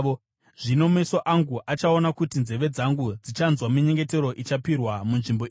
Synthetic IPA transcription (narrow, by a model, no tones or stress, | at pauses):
o | ʐ̥ino̞mesoʔaŋɡuʔat͡ʃao̞nakutinze̞ʋe̞d͡zaŋɡud͡zit͡ʃanzwamiɲe̞ŋɡe̞te̞ɾo̞ʔit͡ʃapirwamunʐimbo